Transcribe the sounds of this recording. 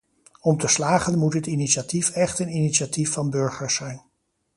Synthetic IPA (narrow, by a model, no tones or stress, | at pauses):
ɔmtəslaːχənmutɦətiniʃatifɛχtəniniʃatifːɑnbɵɹχəɹsɛjn